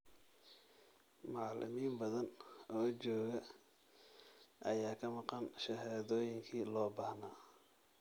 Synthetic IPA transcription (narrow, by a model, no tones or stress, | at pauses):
mɑʕlɪ̰miːnbɐðɐnʔɔːt͡ʃɔːɣɐ | ʔɐjaːkʰɐmɑqɑnʃɐɦaːðɔːjɪŋkʰiːlɔːbɑhnaː